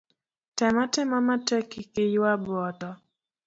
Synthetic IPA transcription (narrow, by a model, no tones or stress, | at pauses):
tɛmatɛmamatɛkikɪjwabɔtɔ